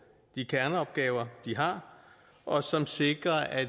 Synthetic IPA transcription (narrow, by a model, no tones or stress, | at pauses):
d̥ikʰæɐnəɒ̽b̥̚ɡ̥ɛːʊɐd̥iɦɑ̈ | ʔɒ̽sɒ̽mse̝ɡ̥ʁɐæ